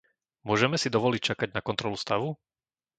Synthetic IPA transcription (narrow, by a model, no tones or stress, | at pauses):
mʊɔʒɛmɛsid̪ɔʋɔlic̚t͡ʃakaɟnakɔnt̪ɾɔlust̪aʋu